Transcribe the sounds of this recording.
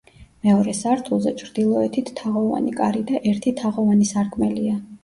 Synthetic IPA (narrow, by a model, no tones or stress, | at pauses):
mɛɔɾɛsaɾt̪ʰulˠzɛt͡ʃʰɾd̪̥ilˠɔɛt̪ʰit̪ːʰaʁɔva̰nikʼaɾid̪aʔɛɾt̪ʰit̪ʰaʁɔvanisaɾkʰʼmɛlia